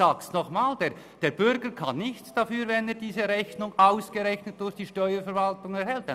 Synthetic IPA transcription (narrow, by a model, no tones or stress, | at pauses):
aːkstnɔχmaːld̥eː | d̥eːɾbʏɾɡəkʰanːɪçt͡sd̥afyːɾvɛneːɐdiːzəɾɛçnʊŋʔaʊsɡ̥əʁɛçnət̚d̥ʊɹçd̥iːʃtœʏəfɛɾvaltʊŋɛɾhɛlt̚d